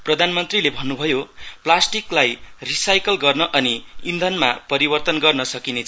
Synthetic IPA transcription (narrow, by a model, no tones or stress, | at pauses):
prʌd̪ʱanmʌnt̪rilebʱʌnːubʱʌjoplasʈiklajrisajkʌlɡʌrnʌʔʌniind̪ʱʌnmapʌɾibʌrt̪ʌnɡʌrnʌsʌkinet͡sʰ